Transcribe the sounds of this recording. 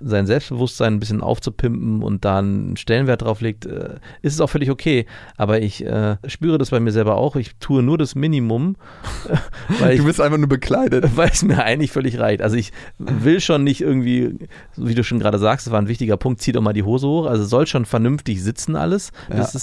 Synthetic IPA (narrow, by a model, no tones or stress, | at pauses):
zaɪnzɛlpstb̥əvʊstz̥aɪnnbɪs̬çənʔa̰ʊft͡supʰɪmpm̩ʊ̰nt̚d̥aːnʃtɛlənvɛɐt̚d̥ʁaʊfleːk̚tʔɛ̰ːʔɪstɛsaʊxfœlɪçokʰeːʔaːbɐɪçʔɛ̰ːʃpyːʁ̞ədasb̥aɪmiːɐzɛlbɐʔa̰ʊxɪçtʰuːənuːɐɾasmɪnimʊm | vaɪldubɪstʔaɪnfaχnuːɐbəkʰl̥aɪdəvaɪlɛsmiːɐʔaɪɡŋ̩tlɪçfœlɪçʁa̰ɪçtʔalzoɪçvɪlʃoːnːɪçtʔɪɐɡŋ̩tv̥iː | zviːduːʃoːnɡʁaːdəzaːkstsv̥aːɐnvɪçtɪɡɐpʰʊŋk̚t̚t͡siːtaʊxmaːldiːɦoːzəhoːxʔalzosz̥ɔlʃoːnfɛɐnʏmftɪçz̥ɪt͡sn̩ʔa̰ləsd̥asɪs